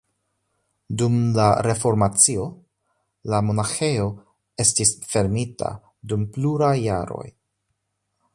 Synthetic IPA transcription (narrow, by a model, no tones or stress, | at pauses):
dumlaɾe̞fo̞ɾmat͡sio̞ | lamo̞naxe̞jo̞ | e̞stisfe̞ɾmita̰ | dumpluɾajːa̰ɾo̞̰j